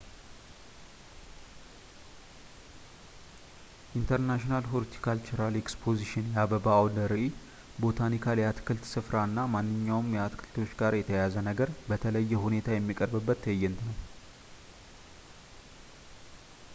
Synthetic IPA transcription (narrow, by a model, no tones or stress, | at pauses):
ʔint̪ʰəɾnaʃinalɦoɾt̪ʰi̥kʰalt͡ʃɪɾalekspʰo̞ziʃɪnjaβəbawd̪əɾi | bo̞t̪ʰanikʰaljat̪kʰɨlt̪sɨfɾaɨnːamanːɨɲːawmjɛat̪kʰɨlt̪ʰo̞t͡ʃːɡaɾjɛt̪ʰəjazənəɡəɾbət̪ʰələjːɛɦune̞t̪ʰajɛmːikʼəɾbɨbːət̪ːəjːɛnt̪nəw